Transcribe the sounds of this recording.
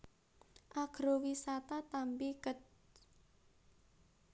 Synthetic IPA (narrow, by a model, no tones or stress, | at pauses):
ʔaɡ̥ɾowisat̪at̪ampikət̪̚